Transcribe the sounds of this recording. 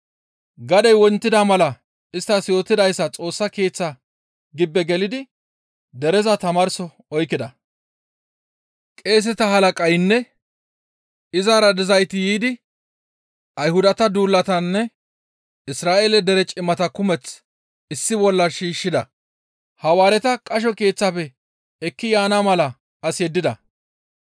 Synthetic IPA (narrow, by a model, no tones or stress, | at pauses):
ɡɐd̪ɛjwɔnt̪ːɪd̪amɐlɐ | ɪst̪ːɐsjo̞ːt̪ːɪd̪ɐjsːɐt͡sʼo̞ːsːɐke̞ːt͡sːɐ | ɡɪbːɛɡɛlɪd̪ɪ | d̪ɛɾɛzɐt̪ɐmaːɾsɔ | ɔjkːɪd̪ɐ | kʼe̞ːs̬ɛt̪ɐɦɐlɐkʼɐjnːɛ | ɪzaːɾɐd̪ɪzɐjt̪ɪjiːd̪ɪ | ʔɐjhʊd̪ɐt̪ɐd̪uːlːɐt̪ɐnːɛ | ɪsɾaːʔeːlɛd̪ɛɾɛt͡ʃʼɪmːɐt̪ɐkʊmɛt͡s | ɪsːɪbɔlːɐʃiːʃːɪd̪ɐ | hɐwaːɾɛt̪ɐkʼɐʃ̬ɔke̞ːt͡sːaːpɛ | ɛkːɪjaːnamɐlɐ | ɐsjɛd̪ːɪd̪ɐ